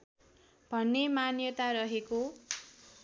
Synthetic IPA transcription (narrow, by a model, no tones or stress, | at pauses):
b̥ʱʌnːemanjʌt̪aɾʌɦeko